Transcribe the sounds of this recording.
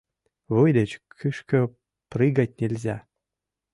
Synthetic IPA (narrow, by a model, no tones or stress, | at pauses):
ʋujdʲɘ̆t͡ɕkʰɨʂkɤ̆ | prɨɡɑt̚ʲnʲĕlʲzʲæ